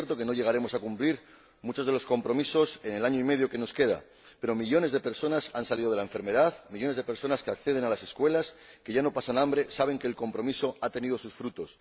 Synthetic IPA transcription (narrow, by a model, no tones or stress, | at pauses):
eɾt̪o̞ke̞no̞ʝe̞ɣ̞aɾe̞mo̞sakumpliɾ | mut͡ʃo̞zð̞e̞lo̞sko̞mpɾo̞miso̞se̞ne̞laɲoime̞ð̞jo̞ke̞no̞ske̞ða̰ | pe̞ɾo̞miʎo̞ne̞zðepe̞ɾso̞nasansaliðo̞ð̞elae̞ɱfe̞ɾme̞ðaðmiʎo̞ne̞zðe̞pe̞ɾso̞naske̞ak̚θe̞ð̞e̞nalase̞skwe̞laske̞ʝano̞pasanãmbɾe̞saβe̞ŋke̞ːlko̞mpɾo̞miso̞at̪e̞nið̞o̞susfɾut̪o̞s